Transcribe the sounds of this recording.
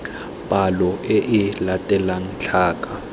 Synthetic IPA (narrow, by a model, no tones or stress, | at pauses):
pʼalɔʔeʔɪlatʼɛlan̩t͡ɬʰaːkʼa